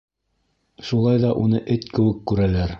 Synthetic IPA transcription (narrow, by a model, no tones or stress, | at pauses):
ʃulˠɑjðɑʔunɤʔɘt̪kɘ̆wɘkːʉɾælæɾ